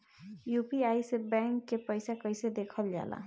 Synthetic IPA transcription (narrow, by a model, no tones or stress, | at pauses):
jupiajsebɛŋkːepəjsakʌjsed̪ekʰəld͡ʒa̰la̰